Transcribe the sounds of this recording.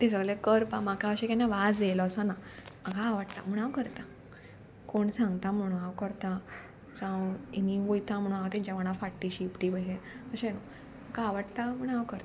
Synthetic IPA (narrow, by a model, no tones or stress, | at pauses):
t̪es̬əɡɭekəɾpãmakaəɕẽkanːaʋad͡zelɔːsɔnamakaːʋaɽt̪a̰m̤əɳ̃awkəɾt̪a | koɳsãŋɡt̪am̤əɽ̃ũaʋkəɾt̪a | t͡sãwiniʋojt̪ʰãm̤əɽ̃ũaʋt̪ĩɲt͡ɕaʋəɽ̃ãfaʈːiɕipʈibəɡẽəɕẽno | məkaːʋaʈt̪am̤əɽ̃awkəɾt̪a